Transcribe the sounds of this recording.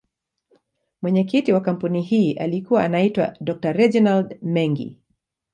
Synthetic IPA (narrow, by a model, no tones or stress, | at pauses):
mwɛɲɛkitiwakam̩puniɦiːʔa̰likuwaanaitwa̰dɔk̚taɾɛd͡ʒɔnaldmɛŋɡḭ